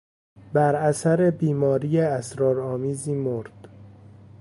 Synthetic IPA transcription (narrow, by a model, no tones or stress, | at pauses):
bæɾæsæɾebiːmɒːɾiːjeæsɾɒːɾɒːmiːziːmoɾd̪̥